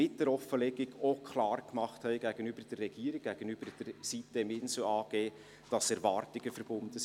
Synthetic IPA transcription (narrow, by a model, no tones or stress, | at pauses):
ɪt̚d̥ɛɾɔfəlɛɡɪɡokʰχlɑːrkmɑχthɛɪɡ̥æɡ̥ənybərd̥ərːɛɡ̥iːəɾik̚ɡ̥æɡ̥ənybəɾd̥əɾsitːəɪmɪnsl̩ɑːɡ̥eː | d̥ɑsɛɾvɑːrtɪɡəfəɾb̥ʊndə